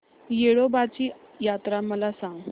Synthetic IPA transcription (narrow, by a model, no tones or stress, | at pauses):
jeɭobat͡ɕiː | jat̪ɾaməlasãŋɡ